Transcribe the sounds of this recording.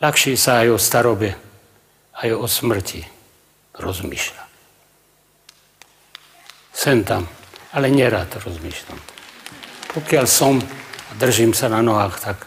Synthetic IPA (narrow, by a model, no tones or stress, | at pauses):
laxʃiːsaːjɔst̪aɾɔbɛ | ajɔsmr̩ci | ɾɔzmḭːʃla | sɛnt̪amalɛɲɛɾaːt̪ɾɔzmiːʃla̰m | pʰɔkɪalsɔmad̪r̩ʒiːmsananɔɦaːxt̪ak